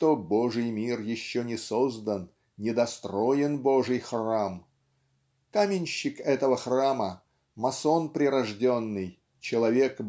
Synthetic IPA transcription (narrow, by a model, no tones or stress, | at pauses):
t̪oboʐɨjmʲirjɪɕːonʲɪsozd̪ən | nʲɪd̪ɐst̪ɾojɪnboʐɨjxram | kamʲɪnʲɕːɪkɛt̪əvəxramə | mɐso̞npɾʲɪɾɐʐdʲonːɨj | t͡ɕɪlˠɐvʲe̞k